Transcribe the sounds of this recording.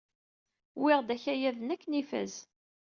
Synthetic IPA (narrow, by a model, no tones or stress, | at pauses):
wiʁd̪æçæjæðənækːnifæ̰z